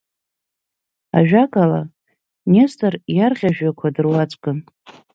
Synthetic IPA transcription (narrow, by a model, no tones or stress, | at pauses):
a̰ʒᶣakʼala̰ | nestʼɨrjarʁʲaʒᶣakʷʰadɨrwat͡sʷʼkʼɨn